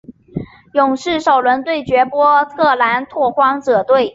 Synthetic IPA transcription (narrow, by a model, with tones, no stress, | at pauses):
jʊ˨˩ŋʂɻ̩˥˩ʂo˨˩ʊlwə˧˥nt̪we˥˩ɪt͡ɕɥɛ˧˥pwɔ˥t̪ʰɤ˥˩la˧˥nt̪ʰwɔ˥˩xwɑ˥ŋʈ͡ʂɤ˨˩t̪we˥˩ɪ